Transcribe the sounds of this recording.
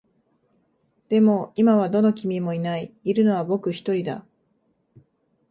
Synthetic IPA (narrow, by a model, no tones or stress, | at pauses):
d̪̥e̞mo̞imaβ̞ad̪o̞no̞kʲimʲimo̞inaiːɾɯ̟no̞βabo̞kɯ̟çi̥t̪o̞ɾʲid̪a̰